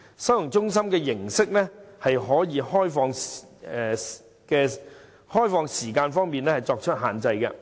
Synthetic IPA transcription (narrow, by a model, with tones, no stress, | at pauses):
sɐ˨˥jʊ˨˩ŋt͡sʊ˥ŋs̬ɐ˥mkɛː˧jɪ˨˩ŋsɪ˥k̚lɛ˥hɐ˨jɦɔː˨˥jiː˨˧hɔː˥jfɔː˧ŋɛ˨ | kɛː˧ | hɔː˥jfɔː˨˧ŋsiː˨˩kaː˧nfɔː˥ŋmiː˨˧nlɛː˥hɐ˨jt͡sɔː˧k̚t͡ʃʰɵ˥t̚ɦaː˨˩nt͡sɐ˧jkɛ˧